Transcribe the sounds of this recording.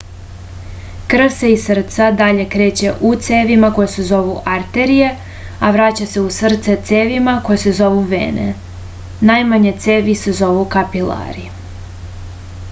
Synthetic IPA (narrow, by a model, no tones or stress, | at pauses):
kr̩seisr̩t̪sad̪aʎe̞kɾe̞ːt͡ɕe̞ʔut̪seːʋimako̞jese̞zo̞ʋuʔaɾt̪e̞ɾije̞ | aʋɾaːt͡ɕase̞usr̩t̪set̪seʋimakojese̞zo̞ʋuʋḛːnʔḛ | najmaɲet̪se̞ːʋise̞zo̞ʋukapila̰ɾi